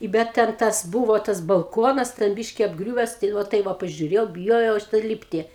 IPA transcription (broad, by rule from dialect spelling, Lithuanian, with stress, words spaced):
ɪ ˈbʲɛt tʲɛn ˈtɐs ˈbuːʋoː tɐs bɐlˠˈkoːnɐs tʲɛn ˈbʲiːʃʲkʲɪ ɐbˈɡrʲuːʋʲɛs tɐɪ ˈʋɐ ˈtɐɪ ʋɐ pɐʒʲʊˈrʲeːjɛʊ bʲɪˈjoːjɛʊ ɐʃ tɐɪ ˈlʲiːpʲtʲɪ